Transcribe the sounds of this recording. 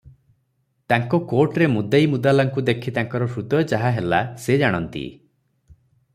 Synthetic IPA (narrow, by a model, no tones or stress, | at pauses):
t̪aŋkɔkoɾʈɾemud̪ajmud̪alaŋkud̪ekʰit̪aŋkɔɾɔsɾut̪ɔt͡ʃaɦaɦelased͡ʒaɽ̃ɔnt̪ḭ